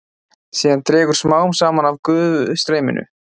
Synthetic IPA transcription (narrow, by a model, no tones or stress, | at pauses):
siːðant̪ɾɛːɣʏɾ̥smaːwʏmsaːmanavkʏːvʏst̪ɾeːjmɪ̰nʏ̰